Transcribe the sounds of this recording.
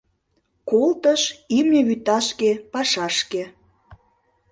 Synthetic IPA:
kolt̪əʃimnʲeβyt̪ɑʃkepɑʃɑʃke

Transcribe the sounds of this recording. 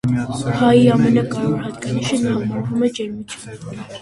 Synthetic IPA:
pʰaiɑmɛnɑkʼɑɾɔɾhɑt̪̚kʼɑniʃɛnaːmɔɾvumɛd͡ʒɛɾmit͡ʃʰun

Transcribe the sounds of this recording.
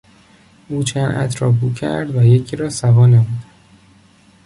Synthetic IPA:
uːt͡ʃʰænʔæ̰t̪ʰɾɒːbuːcʰæ̰ɾd̪væjecʰiɾɒːsævɒːnemuːd̪æ

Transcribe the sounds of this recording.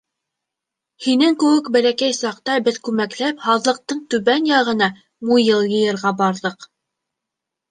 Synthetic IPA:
hinɘŋkɵ̆wɘkbælækæjsɑqt̪ɑbɘðkʉmæklæphɑðlˠɤ̆q̚t̪ɤɴt̪ʉβænjɑʁɤ̆nɑ | mujɤlˠjɤ̆jɤ̆ɾʁɑbɑɾðɤq

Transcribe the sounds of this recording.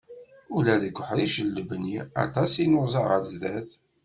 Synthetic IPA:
ʊlæðəɡʷħəðiʃəlːəbniɑ̰t̪ˤɑsinozˤɑʁəɾzðæθ

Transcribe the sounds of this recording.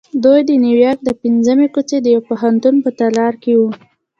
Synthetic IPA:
d̪ujd̪əniwjɑɾk̚d̪əpinzəmekut͡sed̪əjawpoɦant̪unpət̪alɑɾkewu

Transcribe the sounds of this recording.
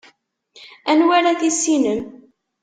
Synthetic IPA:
ænwaɾaθisːinəm

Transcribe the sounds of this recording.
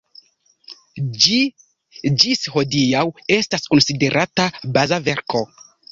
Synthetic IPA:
i | d͡ʒisho̞diawe̞stasko̞nside̞ɾʔatabazave̞ɾko̞

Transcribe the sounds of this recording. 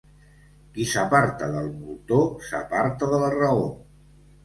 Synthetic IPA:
kisəpaɾt̪əðəlˠmulˠt̪osə̰paɾt̪əðələrəo

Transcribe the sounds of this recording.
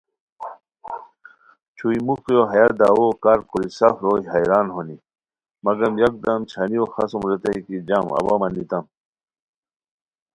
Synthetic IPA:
t͡ɕʰuimukjoɦɐjad̪awokaɾkuɾisɐfɾojɦɐjɾaːnɦoni | mɐɡɐmjɐk̚d̪ɐmt͡ɕʰɐnioxɐsumɾet̪ɐikid͡ʑamɐ̰bamɐnːit̪ɐm

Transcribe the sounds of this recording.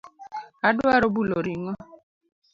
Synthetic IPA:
adwaɾobuloɾiŋɔ

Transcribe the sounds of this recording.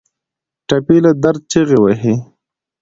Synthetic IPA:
ʈapilad̪aɾd̪̚t͡ʃeɣewaɦi

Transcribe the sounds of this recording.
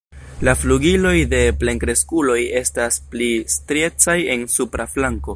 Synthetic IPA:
lafluɡilo̞jde̞ple̞ŋkɾe̞skulo̞je̞stasplistɾe̞t͡saje̞nsupɾaflaŋko̞

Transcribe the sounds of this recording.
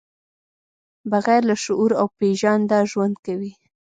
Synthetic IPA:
baɣaɾlaʃʊʔuɾawpeʒɑnd̪ɑʒwand̪kawi

